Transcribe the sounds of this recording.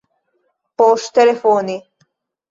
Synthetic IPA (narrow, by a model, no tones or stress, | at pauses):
poʃt̪elefoːni